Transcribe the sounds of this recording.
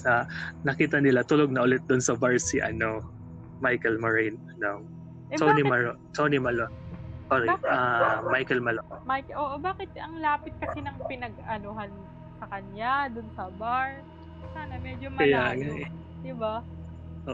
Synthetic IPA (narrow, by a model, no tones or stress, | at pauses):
sɐnɐkiːt̪ɐnɪlat̪ʊloɡ̚nɐʔʊlɛt̪̚d̪ʊnsɐbaɹsiʔɐ̰no̞ | majkɛlmɐɹɛjnɐno | ʔt̪onimɐɹo | t̪ʰonimɐlonoɾɛamajkɛlmɐlomajkʔoːʔobaːkɪt̪̚ɐŋlaːpɪt̪̚kɐsɛnɐŋpɪnɐɡ̚ɐnoɦɐn | sɐkɐɲad̪ʊnsɐbaɹ | saːnɐmɛd͡ʒomɐɐlaːŋa | d̪ɪba | ʔoːʔ